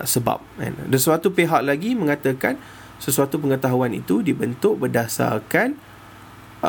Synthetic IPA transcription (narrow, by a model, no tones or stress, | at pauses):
səba̰p̚ɛ̰ndəsuat̪upeɦaʔ̚laɡimə̃ŋat̪əkan | səsuat̪upəŋət̪aɦuanḭt̪udibənt̪ʊʔ̚bərdasa̰rkan